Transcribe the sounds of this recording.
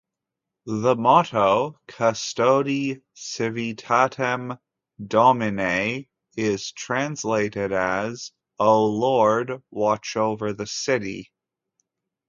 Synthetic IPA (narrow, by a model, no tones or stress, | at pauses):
ðəmɑɾoʊkʰəstoʊɾi | sɪvitʰæɾɨ̃m | dɑmɨneɪ | ɪz̥tʰɹ̥æ̃nsleɪɾɪɾɨz | oʊlɔɹd̚wɑt͡ʃoʊvə˞ðɨsɪɾḭ